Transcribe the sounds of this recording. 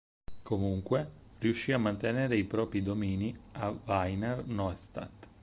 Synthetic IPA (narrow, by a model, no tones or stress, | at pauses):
kʰomuŋkweriuʃːiːamːant̪eneːɾeipɾɔːpɾid̪omiːniavajnɛrnɔst̪a̰t̪